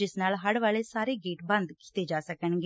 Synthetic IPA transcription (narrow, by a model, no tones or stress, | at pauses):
ɪsnaːlɦəɽʋaːleːsaːɾeːɡeːʈbə̃nd̪ki̥t̪eːd͡ʒaːsəkəɳɡe